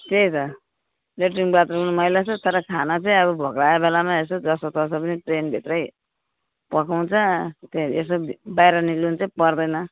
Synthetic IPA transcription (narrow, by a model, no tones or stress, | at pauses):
t̪et͡sʌ | leʈriŋbat̪rʌunmʌjlat͡sʰʌt̪ʌɾʌkʰanat͡sʌĩʌbʌbʱʌkraebelamaesod͡zʌsot̪ʌsʌpʌniʈrenbʱit̪rʌj | pʌkaw̃t͡sʰʌt̪eesʌbajɾʌnilunt͡saĩpʌrd̪ʌjnʌ